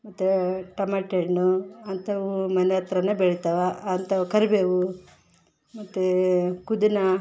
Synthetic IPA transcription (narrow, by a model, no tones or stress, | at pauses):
mɐt̪ːuʈɐmɐʈenuɐnt̪ɐʋumɐneɐt̪ɾɐnːɐbeɭit̪ɐʋɐːnt̪ɐukɐɾbeʋu | mɐt̪ːukud̪inɐ